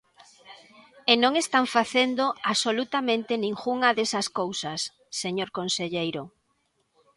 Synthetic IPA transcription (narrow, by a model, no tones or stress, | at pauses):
enõŋest̪aɱfaθend̪oaβsolut̪amẽnt̪enĩŋxuŋɐðesɐskowsɐsː | eɲoɾkonseʎejɾo